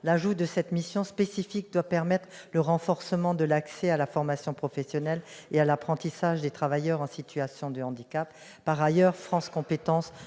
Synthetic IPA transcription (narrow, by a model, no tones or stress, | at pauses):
laʒud̪əsɛt̪misjɔ̃spesifik̚d̪wapɛʁmɛt̪χləʁɑ̃fɔʁsəmɑ̃d̪əlaksɛalafɔʁmasjɔ̃pχɔfɛsjɔnɛlealapχɑ̃t̪isaʒd̪et̪χavajœʁɑ̃sit̪ʰyasjɔ̃d̪əɑ̃d̪ikapː | aʁajœʁfχɑ̃skɔ̃pet̪ɑ̃s